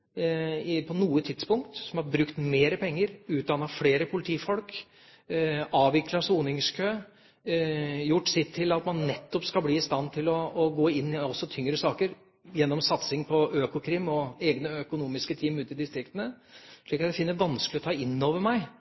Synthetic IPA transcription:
pʰɔnuːət̪ʰɪd̪spʊŋkt̪sɔmhɑɾbɾʉkt̪meːɾəpʰɛŋːəɾʉːt̪̚d̪ɑnɑfleːɾəpʰʊlɪt̪ʰiːfɔlk | ɑːʋɪklɑsuːnɪŋskʰøː | jʊʈːsɪt̪ʰːɪlɑt̪mɑnːɛt̪ːɔpskɑlbliːɪst̪ɑnːt̪ʰɪlɔːɡoːɪnːɪɔsːɔt̪ʰʏŋɾəsɑːkəɾ | jɛnːɔmsɑt̪sɪŋpʰɔʔøːkʊkʰɾɪmːɔeːɡnəœkʊnuːmɪskət̪ʰiːmʉːt̪ɪd̪ɪst̪ɾɪkt̪ənə | ʂɭiːkɑt̪d̪ɛfɪnːəʋɑnsklɪɔt̪ʰɑːɪnːoːʋəɾmæɪ

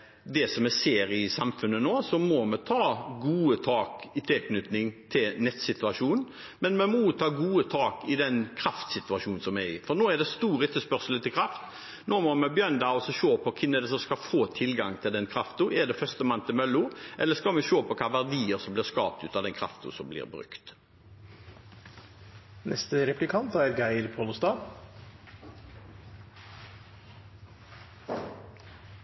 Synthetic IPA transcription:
d̪ɛsɔmɛseːɾɪsɑmfʉnːənoːsɔmɔmɛt̪ʰɑːɡuːət̪ʰɑːkɪt̪ʰɪkʰnʉt̪nɪŋt̪ʰɪlnɛt̪sɪt̪ʉɑʂuːnn | mɛnmɛmuːt̪ʰɑːɡuːət̪ʰɑːkɪd̪ɛnkʰɾɑft̪sɪt̪ʉɑʂuːn̩sɔmæɪfɔnoːɛd̪ɛst̪uːɾɛt̪ːəspœʁsəl̩ət̪ɪlkʰɾɑft̪ | noːmɔmɛbjœnd̪ɑɔsɔʃøːpʰɔkʰɪnəd̪ɛsɔmskɑfoːt̪ʰɪlɡɑŋt̪ʰɪld̪ɛnkʰɾɑft̪ʊʔɛd̪ɛfœst̪əmɑnt̪ʰɪmœlːʊʔɛlːəskɑmɛʃøːpʰɔkʰɑːʋæʁd̪iːəɾsɔmblɪʁskɑ̰ːp̚t̪ʉ̰ːt̪ɑːʋd̪ɛnkʰɾɑ̰ft̪ʊ̰sɔmblɪ̰ːʁbɾʉ̰kt̪ | nʔɛ̰st̪əɾɛplɪkʰɑnt̪æɾɡæɪɾpʰoːlʊst̪ɑː

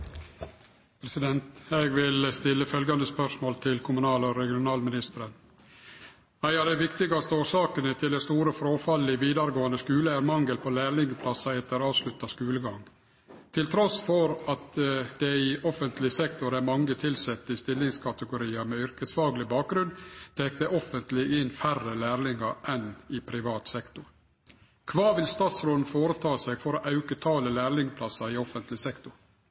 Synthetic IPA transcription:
pʰɾɛsɪd̪ɛnt̪eːɡʋɪlst̪ɪlːəfœlɡɑnd̪əspœʂmoːlt̪ʰɪlkʰʊmʉnɑːlɔɾɛɡɪʊnɑːlmɪnɪst̪əɾən | æɪɑd̪æɪʋɪkt̪ɪɡɑst̪əoːʂɑːkənət̪ʰɪld̪ɛst̪uːɾəfɾoːfɑlːɪʋiːd̪ɑɾəɡoːənəskʉːləæɾmɑŋɡəlpʰolæːɭɪŋəpʰlɑsɑɛt̪ːəɾɑːʋslʉt̪ːɑskʉːləɡɑŋ | t̪ʰɪlt̪ʰɾɔsfɔɾɑt̪̚d̪̥ɛɪʔɔfənt̪lɪsɛkt̪ʊɾæmɑŋːət̪ʰɪlsɛt̪ːəɪst̪ɪlːɪŋskʰɑt̪əɡʊɾiːɑmɛʏɾkəsfɑːɡlɪbɑːk̚ɡɾʉnt̪ʰeːk̚d̪əʔɔfənt̪lɪɪnːfærːəlæːɾlɪŋɑɾʔɛnɪpʰɾɪʋɑːt̪sɛkt̪ʊɾ | kʰʋɑːʋɪlst̪ɑːt̪sɾoːd̪nfoːɾət̪ʰɑːsɛɡfɔɾoʔɑʉkət̪ʰɑːləlæːɾlɪŋpʰlɑsɑɪɔfənt̪lɪsɛkt̪ʊɾ

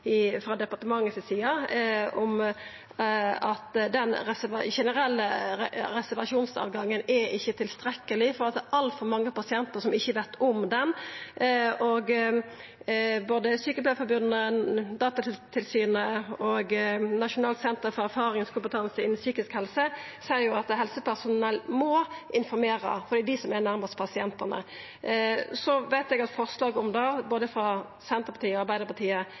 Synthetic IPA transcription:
ɪfɾɑːd̪ɛpɑʈ̪əmɑŋːəsɪsiːɑɔm | ɑt̪d̪ɛnɾɛsʋɑʃɛnəɾɛlːəɾɛsæɾʋɑʂuːnsɑ̰ːʋɡɑŋːənɛɪçːət̪ʰɪlst̪ɾɛkːəlɪfɔɾɑlsɔʔɑlfɔɾmɑŋːəpɑsɪɛnt̪əɾʂsɔmɪçːəʋɛt̪ːʰɔmd̪ɛn | ɔɡ | boːd̪əsyːkəpb̪løːfɔɾbʉd̪nəd̪ɑːt̪ɑt̪ʰɪlsyːnəɔɡnɑʂʊnɑːlsɛnt̪əɾfɔɾæɾfɑːɾɪŋskʰʊmpət̪ʰɑnsəɪnːnsyːkɪskhɛlsəsejʊɑt̪hɛlsəpæʁsʊnnɛlmɔʔɪnfɔɾmeːɾə̰fɔɾd̪iːd̪ɪsɔmɛnæʁmɑʁst̪pʰɑsɪɛnt̪ənə̰ | sɔʋæɪt̪ɛɡɑt̪fɔʁslɑːɡɔmd̪ɑːboːd̪əfɾɑ | sɛnt̪əɾpʰɑt̪iːəɔɑɾbæɪd̪əɾpɑt̪ʰiːə

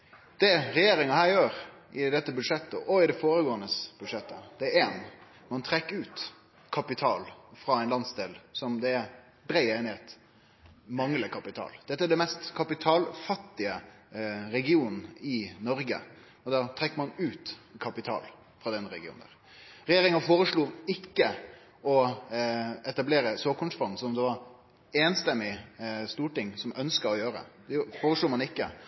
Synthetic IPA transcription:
d̪̥ɛɾɛjeːɾɪŋɑhæːɾjøːɾʔɪd̪ɛt̪ːəbʉd̪ʂɛt̪ːəʔɔɪd̪ɛfoːɾəɡoːənəsb̥ʉd̪ʂɛt̪ːəd̪̥ɛæɾeːn | mɑnt̪ʰɾɛkːəʉːt̪ | kʰɑpɪt̪ʰɑːlfɾɑːæɪnlɑnsd̪eːlsɔmd̪ɛːɾ | bɾæɪeɪnɛt̪ | mɑŋləkʰɑpɪt̪ʰɑ̰ːld̪̥ɛt̪ːæɖɛnmɛst̪kʰɑpɪt̪ʰɑːlfɑt̪ːɪə | ɾɛɡɪuːnn̩ɪnɔɾɡə̰ | ɔd̪ɑːt̪ʰɾɛkːəmɑnʉːt̪kʰɑpɪt̪ʰɑ̰ːl | fɾɑːd̪ɛnɾɛɡɪṵːnd̪æ̰ʁ | ɾɛjeːɾɪŋəfoːɾəʂluːɪkːə | ɔ | ɛt̪ɑbleːɾəsoːkʊnsfɑnsɔɔmd̪ɛʋɑɾ | eːnst̪ɛmːɪst̪uːʈɪŋsɔmʔœnskəɔjøːɾə̰d̪ɛfoːɾəʂluːmɑnɪkːə̰

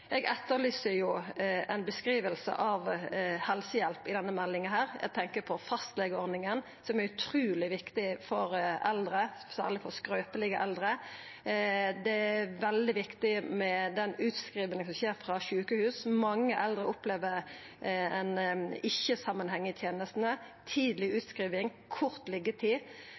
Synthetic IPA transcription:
ʔɛɡɛt̪ːəlyːsəɾjʊɛɪnbəskɾiːʋəlsə̰ʔɑʋhɛlsəjɛlpɪd̪ɛnːəmɛlːɪŋənɦæːɾɛ̰ɡ̚t̪ʰɛŋkəpʰɔfɑst̪lɛɡəɔɾnɪŋən | sɔmæɾʉt̪ʰɾʉːlɪʋɪkt̪ɪfɔɾɛld̪ɾəsæ̰ːʁɭɪfɔskɾœːpəlɪɡəʔɛld̪ɾə | d̪ɛæʋɛld̪ɪʋɪkt̪ɪmɛd̪ɛnʉːt̪skɾiːʋənəsɔmçeːɾfɾɑʃʉːkəhʉːsmɑŋːəʔɛld̪ɾəʔʊpleːʋəɾ | ɛnɪçːəsɑmːənhɛŋːət̪ʰjeːnəst̪n̩ə | t̪ʰiːd̪lɪʉːt̪skʁiːʋɪŋ | kʰʊʁt̪lɪɡːət̪ʰiː

